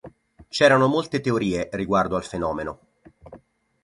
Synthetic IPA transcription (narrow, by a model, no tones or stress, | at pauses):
t͡ʃɛːɾanomolt̪et̪eoɾiːeriɡward̪oalfenɔːmeno